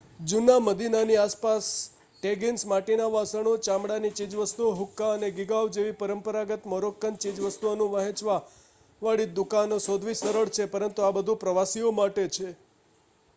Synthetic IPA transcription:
d͡ʒunaməd̪inaniaspas | ʈeɡinsmaʈinaʋasəɳ̃ot͡ʃãmɽanit͡ʃid͡ʒʋəst̪uɦukːaəneɡiɡaʋd͡ʒeʋipəɾəmpəɾaɡət̪məɾokːənt͡ʃid͡ʒʋəst̪uonũʋəɦẽt͡ʃʋa | ʋaɭid̪ukanːosod̪ʱʋisəɾəɭt͡ʃʰepəɾənt̪uabəd̪ʱũpɾəʋasiomaʈet͡ʃʰe

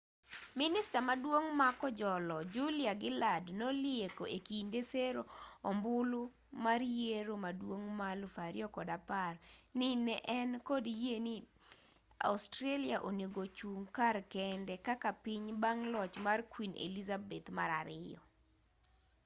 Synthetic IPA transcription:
minɪstamadwoŋmakɔd͡ʒɔlɔd͡ʒuliaɡɪladnolijekoekindeseɾoɔmbʊlʊ | marjeɾomadwoŋmalʊfaɾɪ̰ɔkɔdaparnɪnɛʔɛnkodijeni | a̰stɾaliaʔoneɡot͡ʃuŋkarkɛndɛkakapɪɲbaŋlɔt͡ʃmarkwinḛlizabet̪maɾaɾɪ̰jɔ̰

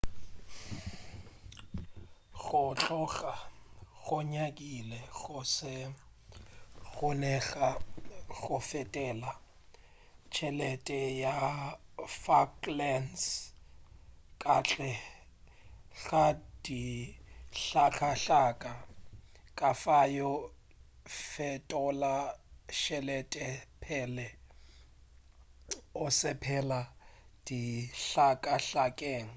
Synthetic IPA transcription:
ɣʊt͡ɬʼɔɣaɣʊɲakʼilɛɣʊsɪ | ɣʊnɛɣaɣʊfɛtʼɛːla | t͡ʃʰɛlɛtʼɛja | faklɛns | kʼat͡ɬʼɛ | ɬad̥i | ɬakʰaɬakʼa | kʼafajɔ | fɛtʼɔlaʃɛlɛtʼɛpʰɛlɛ | ʊsɛpʰɛlad̥iɬakʼaɬakʼeːŋ̩

